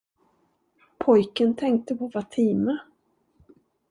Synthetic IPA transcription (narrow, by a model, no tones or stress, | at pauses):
pʰɔjkənt̪ʰɛŋk̚t̪əpʰɔvat̪ʰiːmə